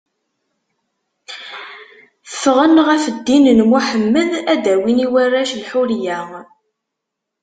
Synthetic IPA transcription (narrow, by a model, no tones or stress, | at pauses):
θə̥fʁənʁæfəd̪ːinnmuħəmːəðæd̪æwiniwərːæʃlħuljæ